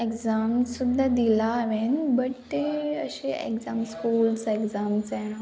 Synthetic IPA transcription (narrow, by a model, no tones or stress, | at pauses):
ekzamsud̪ʱːad̪ilaːʋenbəɽt̪eə̰ɕeʔḛkzamskuːlsekzamsaɽa